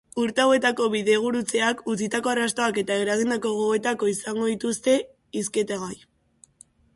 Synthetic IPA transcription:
uɾt̪eawe̞t̪ako̞βiðe̞ɣ̞uɾut͡se̞akut͡sit̪ako̞arast̪o̞ake̞t̪aeɾaɣind̪ako̞ɣoe̞t̪ako̞isaŋɡo̞ðit̪ust̪e̞ | is̬ke̞t̪eɣaj

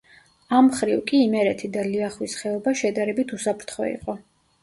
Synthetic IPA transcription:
amχɾiwkʼiːmɛɾɛt̪ʰid̪aliaχwisχɛɔbaʃɛd̪aɾɛbit̪ʰusapʰɾt̪ʰχɔ̰ḭqʼɔ

